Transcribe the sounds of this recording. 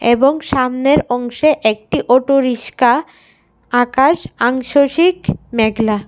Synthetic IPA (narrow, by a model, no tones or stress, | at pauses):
eboŋʃamneɾɔŋʃeʔek̚ʈiʔoʈoɾiʃka | akaʃaŋʃoʃikmɛɡla